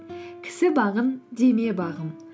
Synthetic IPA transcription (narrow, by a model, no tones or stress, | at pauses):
kʲʰɪ̥sɪbɑʁənd̪e̞me̞bɑʁəm